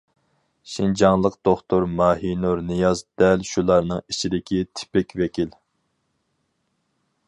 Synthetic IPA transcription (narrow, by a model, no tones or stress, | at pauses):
ʃind͡ʒɑŋlˠəqd̪̥oχt̪ʊɾmɑːɦinuɾnɨjɑzd̪̥ɛlʃulˠɑɾnɨŋit͡ʃʰid̪ɪkʲʰit̪ʰɪ̥pɛkʲvɛkʲil